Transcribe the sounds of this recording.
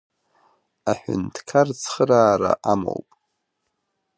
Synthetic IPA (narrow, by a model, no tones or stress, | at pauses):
aħʷᶣʏ̰ntʰkʰart͡sʰχəɾaːɾaʔamo̰wpʼ